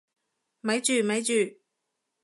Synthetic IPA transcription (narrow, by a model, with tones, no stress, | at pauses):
mɐ˨˧˥jt͡ʃyː˨˩mɐ˨˧˥jt͡ʃyː˨˩